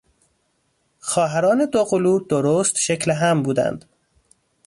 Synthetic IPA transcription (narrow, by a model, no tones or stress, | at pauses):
xɒːɦæɾɒːne̞d̪oɣoluːd̪oɾoːst̪ʃecleɦæmbuːd̪æ̰nd̪̥